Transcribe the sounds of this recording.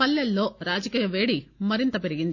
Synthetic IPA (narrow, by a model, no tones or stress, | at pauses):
ɐlːɐlːo̞ːɾaːd͡ʒɐkiːjɐʋeːɽimɐɾint̪ɐpeɾiɡind̪